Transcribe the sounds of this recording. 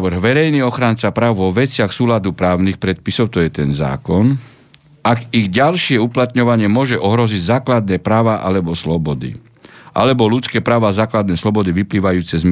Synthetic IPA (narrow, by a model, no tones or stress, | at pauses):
ʋr̩ɣʋɛɾɛjniɔxɾant͡sapɾaːʊʋɔʋɛt͡sɪaxsuːlad̪upɾaːʊnixpɾɛt̪̚pisɔʊt̪ɔjɛt̪ɛnza̰ːkɔn | aɡiɣɟalʃɪɛuplat̪ɲɔʋaɲɪɛmʊɔʒɛʔɔɦɾɔziɟzaːklad̪nɛːpɾaːʋaʔa̰lɛbɔslɔbɔd̪ḭ | ʔa̰lɛbɔlut͡skɛːpɾaːʋaːzaːklad̪nɛːslɔbɔd̪iʋipliːʋajuːt͡sɛzm